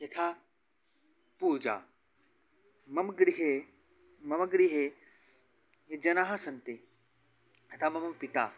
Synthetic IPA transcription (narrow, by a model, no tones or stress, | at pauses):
jet̪ʰaː | puːd͡ʒa̰ː | mɐmɡɽiɦe | mɐmɡɽiɦe | ed͡ʒɐnaːɦɐsɐnt̪e | ɐt̪ʰamɐmɐmpit̪aː